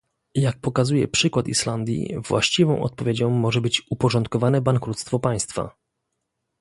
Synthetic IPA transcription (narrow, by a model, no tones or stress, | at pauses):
jak̚pɔkazujɛ̰pʂɘkwat̪ḭʂland̪ʲjḭvwa̰ɕt͡ɕivɔ̰̃w̃ʔɔ̰t̪̚pɔvʲjed͡ʑɔ̃w̃ːɔʐɛbɘt͡ɕupɔʐɔnt̪̚kɔvanɛbaŋkɾut̪st̪fɔpaj̃st̪fa̰